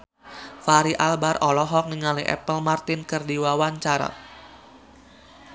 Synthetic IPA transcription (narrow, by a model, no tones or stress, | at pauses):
faɾiʔalbarɔlɔɦɔk̚niŋaliʔɛ̰pəlmart̪ɪnkɨrdiwawaɲt͡ʃaɾa̰